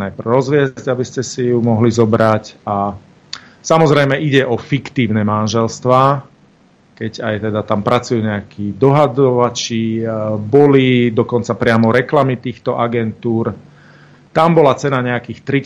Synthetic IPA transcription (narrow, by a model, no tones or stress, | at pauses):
najpr̩ɾɔzʋɪɛzzɟabiscɛsijumɔɦlizɔbɾaca | samɔzɾɛjmɛʔiɟɛʔɔfikt̪iːʊnɛmanʒɛlst̪ʋaː | kɛɟajt̪ɛd̪at̪ampɾʔat͡sujuːɲɛakʰid̪ɔɦad̪ɔʋat͡ʃibɔlid̪ɔkɔnt͡sapɾɪamɔɾɛklamit̪iːxt̪ɔʔaɡɛnt̪uːɾ | t̪ambɔlat͡sɛnaɲɛakiːxt̪ɾi